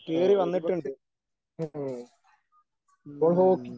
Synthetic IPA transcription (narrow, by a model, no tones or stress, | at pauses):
keːɾiʋɐnːiʈːuɳɖɨ | poːɭɦoːkː